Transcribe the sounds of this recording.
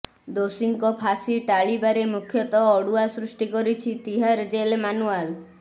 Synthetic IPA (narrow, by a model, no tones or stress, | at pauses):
d̪osiŋkɔpʰasiʈaɭibaɾemukʰjɔt̪ɔːɽuasɾusʈikɔɾit͡ʃʰit̪iɦaɾd͡ʒelmanual